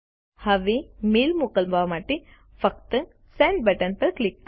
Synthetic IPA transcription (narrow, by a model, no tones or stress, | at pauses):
hɐʋimiːlmukɐlbʱaʋmaːʈi | fɐk̚t̪ɨ | sẽːɳɖ̚bɐʈɐnpɐɾklik̚ː